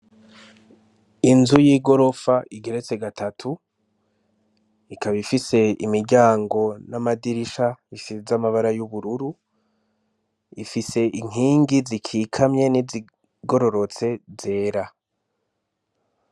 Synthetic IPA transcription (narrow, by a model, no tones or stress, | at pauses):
inzujiɡo̞ɾo̞faʔiɡe̞ɾe̞t͡se̞ɡatʰatʰu | ikaβifise̞ḭmiɾɟaːŋɡo̞namadiɾiʃaiʃizamaβaɾajuβuɾuɾu | ifise̞ʔiŋ̥ɦiːŋɡizikʰiːkʰamɲe̞nizi | ɡo̞ɾo̞ɾo̞t͡se̞ze̞ːɾa